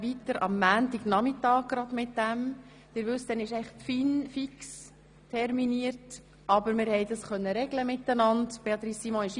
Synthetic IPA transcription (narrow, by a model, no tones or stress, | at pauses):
ʋitəɾɑ̰mːæːntiɡ̥nɑmɪtɑːɡ̚ɡ̥ɾɑd̪mɪt̚d̥æm | d̥ɪːɾʋʉstɛnɪʃɛɪχfinfiks | tʰɛɾminiəɾt | ʔɑbəɾmɪɾhɛɪd̥ɑsχœnːəɾɛɡləmɪtːənɑndb̥eɑt̪ɾisːimɔ̃ɪʃ